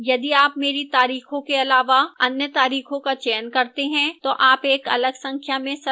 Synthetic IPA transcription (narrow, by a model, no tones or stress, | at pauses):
jɐd̪iaːpmeːɾit̪aːɾiːxõkeɐlaːʋaɐnjət̪aːɾiːxõkat͡ʃeːənkɐɾt̪eɦɛ̃t̪oʔaːpeːkɐ̰ləɡsɐ̃ŋkʰjamẽsɐ